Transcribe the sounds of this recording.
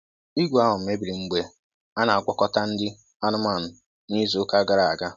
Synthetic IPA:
i˦ɡʷu˨a˦ɦʊ˨m̩˨me˦bi˨ɾi˨ŋ͡m̩˦ɡ͡be˨˦ | a˦na˨a˨ɡʷɔ˦kɔ˦ta˦n̩˦dɪ˦ | a˦nʊ˦ma˦˨n̩˨ | ni˦zo˨ʊ˦ka˦ɡa˦ɾa˨a˨ɡa˦

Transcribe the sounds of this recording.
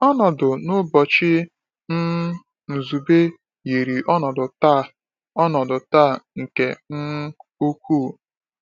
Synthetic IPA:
ɔ˦nɔ˨dʊ˨nʊ˦bɔ˨t͡ʃɪ˦ | n̩˦ | n̩˨zu˨be˦ | ji˨ɾi˨ʔɔ˦nɔ˨dʊ˨ta˦˨ | ɔ˦nɔ˨dʊ˨ta˦˨ŋ̩˨ke˨n̩˦o˦kʰʷuː˦˨

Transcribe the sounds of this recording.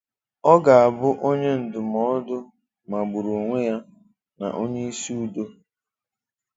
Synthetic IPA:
ɔ˦ɡa˨a˨bʊ˦ʔo˦ɲe˦n̩˨dʊ˨mɔ˦dʊ˦ | ma˨ɡ͡bʊ˨ɾu˨ŋʷe˦ja˦ | na̰˨ʔo˦ɲe˦i˦si˦u˦do˦

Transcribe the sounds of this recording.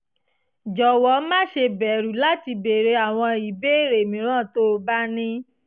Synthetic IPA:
d͡ʒɔ˨wɔ˨˦mã˦˨ʃe˧bɛ˨ɾu˨˦la˦ti˧be˨ɾe˧a˨w̃ɔ̃˧i˨be˦˨ɾe˨mĩ˨˦ɾ̃ã˦˨to˦˧ba˦nĩ˦

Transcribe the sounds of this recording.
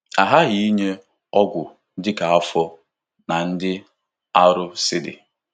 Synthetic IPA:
a˨ɦa˦ɣi˦i˦ɲe˦ | ɔ˦ɡʷʊ˨˦ | dɪ˦ka˨a˦fɔ˦ | na˨n̩˦dɪ˦ | a˦ɾʊ˦sɪ˦dɪ̰˨

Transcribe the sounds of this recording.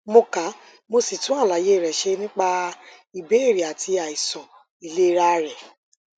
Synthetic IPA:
mo˧ka˨˦ | mo˧si˨tũ˦a˦˨la˨˦je˦˨ɾɛ˨ʃe˧nĩ˦k͡pa˧ | i˨be˨˦e˦˨ɾi˨a˨tʰi˧a˨i˨sɔ̃˨ | i˨le˦ɾa˦ɾɛ˨

